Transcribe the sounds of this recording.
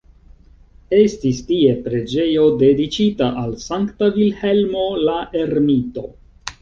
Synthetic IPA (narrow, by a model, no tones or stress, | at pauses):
e̞stistie̞pɾe̞d͡ʒe̞jo̞de̞dit͡ʃitaʔalsaŋktavilhe̞lmo̞laʔe̞ɾmito̞